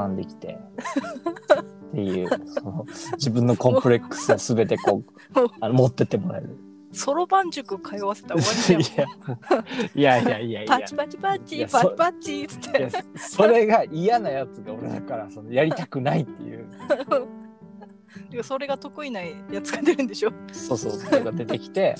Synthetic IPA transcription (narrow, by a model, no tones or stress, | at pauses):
ãnd̪e̞kʲi̥t̪e̞̰ | t̪ːe̞jɯ̟̰ːsonod͡ʑibɯ̟̃nːo̞kõ̞mppɯ̟ɾe̞kːɯ̥sɨosɨbe̞t̪e̞ko̞ː | anomo̞t̪ːe̞t̪ːe̞mo̞ɾa̰ḛɾɯ̟ | so̞ɾo̞bãɲ̟d͡ʑokɯkʰajβase̞̥t̪aa | ijaijaiaipaaipat͡ɕipat͡ɕijappat͡ɕit͡sɨ̥t̪ʰːeejaso̞ɾe̞ɡaijanajat͡sɨɡao̞ɾe̞d̪akaɾaso̞no̞jaɾʲit̪akɯ̟nait̪ːe̞̰jɯ̟̰ | d̪ekaso̞ɾe̞ɡat̪o̞kɯ̟inaijat͡sɨɡad̪e̞ɾɯ̟nd̪eɕoso̞ːsoːsooɡad̪e̞t̪e̞kʲi̥t̪e̞